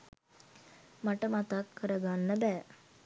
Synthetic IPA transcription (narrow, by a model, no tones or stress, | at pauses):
maʈəmat̪akʰːəɾəɡanːəbɛː